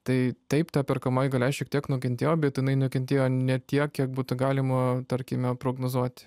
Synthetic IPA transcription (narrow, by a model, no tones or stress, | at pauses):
t̪ɐɪt̪ɐɪpt̪ɑːpʲɛrkɐmɐɪɡɐlʲɛʃʲiɛkt̪ʲiɛknʊkʲɛnʲt̪ʲeːjoːbʲɛt̪jɪnɐɪnʊkʲɛnʲt̪ʲeːjoːnʲɛt̪ʲiɛkkʲiɛkbuːt̪ʊɡɑːlʲɪmɐt̪ɐɾʲkʲɪmʲɛpɾoːɡnozuɔt̪ʲ